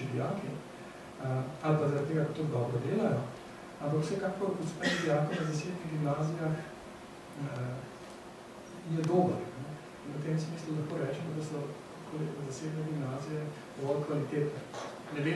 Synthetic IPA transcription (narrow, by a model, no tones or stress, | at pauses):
ibijaːki | alpazɐɾat̪t̪ːeːɡakɔt̪uɡd̪ɔːbɾɔd̪eːlajɔ | ampakwsɛkaːkɔɾuspɛnibijaːkɔnazaseːbniɣɡimnaːzijax | jɛd̪oːbəɾnɛ | inut̪eːmsmiːslulɐxkoːɾɛːt͡ʃɛmɔd̪ɐsɔ | kolizaseːbnɛɡimnaːzijɛ | ɡ̪̥ɔʋɔlkʋalit̪eːt̪nɛ | nɛʋe